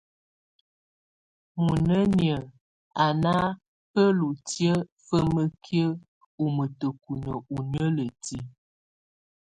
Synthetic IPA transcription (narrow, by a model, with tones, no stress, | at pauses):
mu˨nə˦njə˨ | a˨na˦ | pə˦lu˨tjə˦fə˦mə˦kʰjə˦ | u˨mə˨tə˨ku˨nə˨u˨n˦ə˦lə˨ti˦